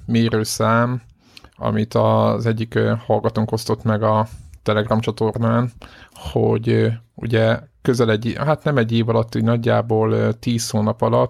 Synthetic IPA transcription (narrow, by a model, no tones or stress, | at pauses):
meːɾøːsaːm | ɒ̰mit̪ɒzɛɟːikhɒlɡɒt̪uŋko̞st̪o̞t̪mɛɡɒt̪ɛlɛɡrɒmt͡ʃɒt̪o̞rnaːnho̰ɟṵɟɛkø̞zɛlɛɟːɦat̪nɛmɛɟːeːvɒlɒt̪ːoɟnɒɟːaːboːlt̪iːshoːnɒpɒlɒt̪